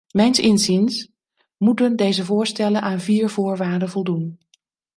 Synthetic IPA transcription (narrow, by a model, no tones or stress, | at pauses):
mɛjnsɪnzins | mutəndejzəvʊːɹstɛlənʔaːnviːɹvʊːɹʋaːɹdənvɔlˠdun